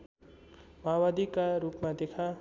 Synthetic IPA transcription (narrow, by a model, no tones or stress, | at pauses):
mʌɦawad̪ʱikaɾupmad̪ekʰa